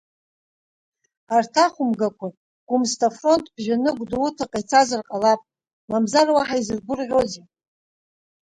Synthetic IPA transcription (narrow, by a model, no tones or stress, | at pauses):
artʰaχʷʊmɡakʷa | ɡ̥ʷumstʰafro̞ntʼb̥ʒanɨɡʷduutʰaqʼajt͡sʰazarqʼalapʼ | mamzarwaħaizɨrɡʷʊrʁʲo̞ze